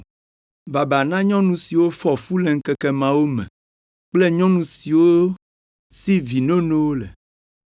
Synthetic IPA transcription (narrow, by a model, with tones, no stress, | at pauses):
ba˨ba˨nã˦ɲɔ̃˦nũ˨si˨wo˦fɔ˨fu˦le˨ŋ̩˦kɛ˦kɛ˦mã˨wo˦mɛ̰̃˨ | k͡ple˦ɲɔ̃˦nũ˨si˨wo˦ | si˦vi˨nõ˦nẽ˦wo˦lḛ˨